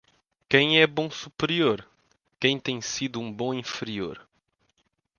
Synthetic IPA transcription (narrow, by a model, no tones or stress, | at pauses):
kẽj̃ɛbõsupeɾioɾ | kẽj̃t̪ẽj̃sid̪uũbõĩfeɾioɾ